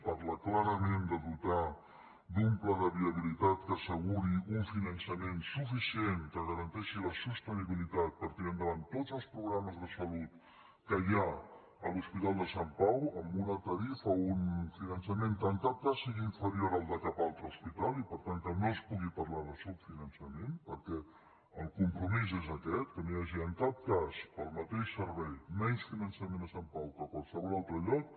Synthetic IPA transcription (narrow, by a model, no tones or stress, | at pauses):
paɾləklaɾəmend̪əðut̪a | d̪umpləðəβiəβ̞ilit̪at̪kəːsəɣuɾiuɱfinənsəmensufisienkəɣəɾənt̪ɛʃiləsust̪əniβilit̪at̪̚pəɾt̪iɾand̪əβant̪ːod͡zəlˠspɾuɣɾaməzðəsəlut̪ | kəja | əluspit̪alˠd̪əsampawəmbunət̪əɾifəunfinənsəment̪ant̪at̪̚k̪asiɣiːɱfəɾioɾəlˠd̪akapalˠt̪ɾəuspit̪alˠipəɾt̪ank̪əmeəspuɣipɐɾlaðəsupfinənsəmenpəɾkɛ | əlˠkumpɾumizezəkɛt̪kənojaʒiənt̪at̪̚kaspəlˠmət̪eʃsəɾβɛjmɛnsfinənsəmẽnəsampawkəkwalˠsəβɔlˠalˠt̪ɾəʎɔk